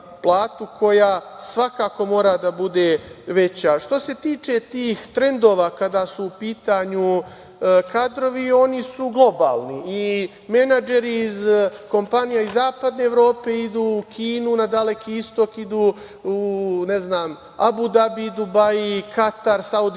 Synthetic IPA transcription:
plˠaːt̪ukʰo̞jaːsʋakaːko̞mo̞ːɾad̪abud̪eʋe̞t͡ɕaʃt̪o̞se̞t̪iːt͡ʃe̞t̪iːxt̪ɾe̞nd̪o̞ːʋaːkad̪aːsuːpiːt̪aɲu | kad̪ɾo̞ʋio̞nisuɡlˠo̞ba̰ːlˠnii | me̞nad͡ʒe̞ɾiːzko̞mpanijaizːaːpad̪ne̞ːʋɾo̞ːpe̞id̪uːkʰiːnunad̪ale̞kiist̪o̞kid̪uː | une̞znaːm | a̰bud̪abid̪ubaikʰat̪aɾsaud̪

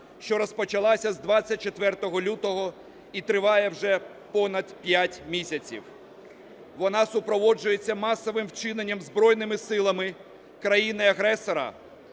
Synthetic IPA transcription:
ʃt͡ʃɔɾɔspɔt͡ʃɐlˠɑsʲɐzd̪ʋɑt͡sʲːɐt̚ʲt͡ʃet̪ʋɛrt̪ɔɦɔlʲut̪ɔɦɔ | it̪ɾɪʋɑjɛwʒɛ | pɔnɐd̪pʲjatʲmʲisʲɐt͡sʲḭw | ʋɔnɑsʊpɾɔʋɔd͡ʒʊjet͡sʲːɐmɑsɔʋɪmwt͡ʃɪnenʲːɐmzbɾɔjnɪmɪsɪlˠɐmɪ | kɾɐjinɪɐɦɾɛsɔɾɐ̰

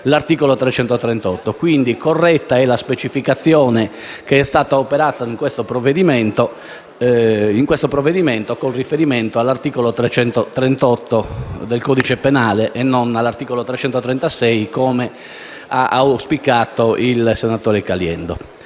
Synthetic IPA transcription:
lart̪iːkolot̪ɾɛt͡ʃɛnt̪ot̪ɾɛnt̪ɔt̪ːokwind̪ikorːɛt̪ːaɛlaspet͡ʃifikat̪sːjɔːnɛ | keɛst̪aːt̪aopɛɾaːt̪aiŋkwest̪opɾovːed̪imɛnt̪o | iŋkwest̪opɾɔvːed̪imɛnt̪okolrifeɾimɛnt̪oalːart̪iːkolot̪ɾɛt͡ʃɛnt̪ot̪ɾɛnt̪ɔt̪ːod̪elkɔːd̪it͡ʃepɛnaːlɛʔɛnːɔnalːart̪iːkolot̪ɾɛt͡ʃɛnt̪ot̪ɾɛnt̪asɛjkɔːme | a̰ʔaspikaːt̪oilsɛnat̪ɔːɾɛkaljɛ̰nd̪o̰

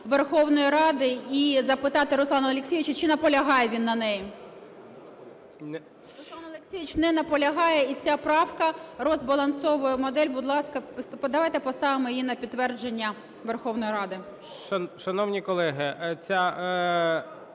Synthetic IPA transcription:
ʋerxɔwnɔjiɾɑd̪ɪizɐpɪt̪ɑt̪ɪɾʊslˠɑnɐɐlʲˠeksʲijʋit͡ʃɐt͡ʃɪnɐpɔlʲɐɦɑjɛʋʲinːɐnɛji | ɾʊslˠɑnɐlˠeksʲijʲʋʲit͡ʃnɛnɐpɔlʲɐɦɑjɛit͡sʲapɾɑwkɐrɔzbɐlˠɐnsɔʋʊjɛmɔd̪ɛlʲbʊd̪lˠɑskɐd̪ɐʋɑjt̪ɛpɔst̪ɑʋɪmɔjijinɐpʲidt̪tːʋɛrd͡ʒenʲːɐ | ʋerxɔwnɔjiɾɑd̪ɪ | ʃɐnɔwnʲikɔlˠɛɦɪt͡sʲa

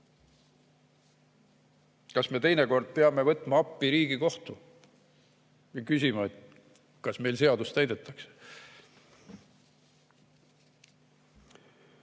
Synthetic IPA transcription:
kɑsme̞t̪e̞jneko̞rd̪̥̚peɑme̞vɤt̪ːˑmɑɑpˑːiɾiːɡ̥iko̞ht̪u | vikysʲimɑet̪ | kɑsme̞jlse̞ɑd̪ust̪æjd̪̥e̞t̪ːˑɑkse̥

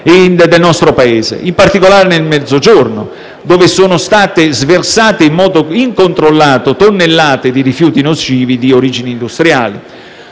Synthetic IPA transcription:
ind̪ed̪elnɔst̪ɾopaeːzḛimpart̪ikolaːɾenelmɛd̪zod͡ʒornʊ̰ | d̪oːvɪsoːnʊst̪aːt̪ezversaːt̪eimːɔːd̪oiŋkont̪ɾolːaːt̪ot̪onːelːaːt̪ed̪iɾifjuːt̪inot͡ʃiːvid̪ioɾiːd͡ʒiniːnd̪ust̪ɾja̰ːli

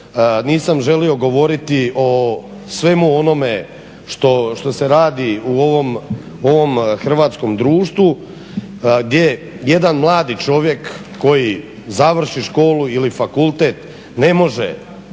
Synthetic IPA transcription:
niːsamʒe̞lio̞ɡo̞ʋo̞ɾit̪iʔo | sʋe̞muo̞no̞me̞ | ʃt̪oʃt̪o̞se̞ɾaːd̪iuoʋom | o̞ʋo̞mxr̩ʋaːt̪sko̞md̪ɾuːʃt̪ʋu | ɡd̪ʲje̞ | je̞d̪anmlˠaːd̪it͡ʃo̞ʋje̞kː | o̞ji | zaʋr̩ʃiʃko̞ːluilifakulˠt̪eːt̪ | ne̞mo̞ʒḛ

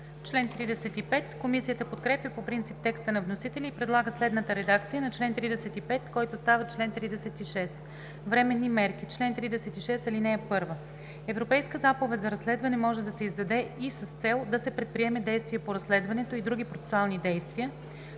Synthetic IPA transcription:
t͡ʃlɛnt̪ɾid̪ɛsɛt̪ipɛt̪komisijət̪əpot̪kɾɛpjəpopɾint̪sip̚t̪ɛkst̪ənɐvnosit̪ɛlʲiːpɾɛd̪lˠaɡəslɛd̪nət̪əɾɛd̪akt̪sijənɐt͡ʃlɛnt̪ɾid̪ɛsɛt̪ipɛt̪kɔjt̪ost̪avɐət͡ʃlɛnt̪ɾid̪ɛsɛt̪iʃɛs | vɾɛmɛnːimɛɾkit͡ʃlɛnt̪ɾid̪ɛsɛt̪iʃɛsɐlinɛːpɤɾvə | ɛvɾopɛjskəzapovɛt̪ʲzɐɾɐslɛd̪vɐnɛmɔʒɛd̪ɐsɛizd̪ɐd̪ɛisəst̪sɛlˠd̪ɐsɛpɾɛt̪̚pɾiɛmɛd̪ɛjst̪viəpoɾɐslɛd̪vɐnɛt̪oid̪ɾuɡ̟ipɾot̪sɛ̥sualˠnid̪ɛjst̪viə

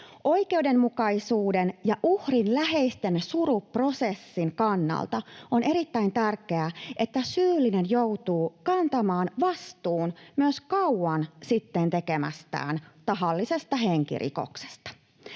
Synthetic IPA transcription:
ʔo̞ijke̞ude̞mmukɑisuːdenjɑʔuhrinlæɦe̞ist̪e̞nsuɾupro̞se̞sːiŋkɑnːɑ̰lt̪ɑone̞ɾit̪ːæint̪ærkˑe̞æʔe̞t̪ːæsyːlːine̞njouwt̪uːkɑnt̪ɑmɑːnʋɑst̪uːnmyøskɑwɑnsit̪ːent̪ekemæ̰st̪æ̰ːnt̪ɑɦɑlːisest̪ɑɦeŋkḭrʔḭko̞̰kse̥st̪ɑ̥

